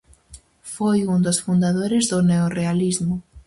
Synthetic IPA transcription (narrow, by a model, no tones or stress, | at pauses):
fojund̪osfund̪aðoɾɪzðʊneorealizmʊ